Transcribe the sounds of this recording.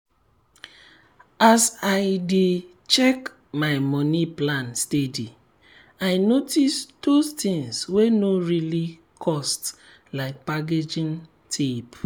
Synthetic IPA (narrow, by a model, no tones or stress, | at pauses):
asaɪde | t͡ʃɛk | maɪmɔniplãnstedi | aɪnotisdostĩŋswenoɹili | kʰɔst | laɪk̚pak̬ed͡ʒĩn | tʰep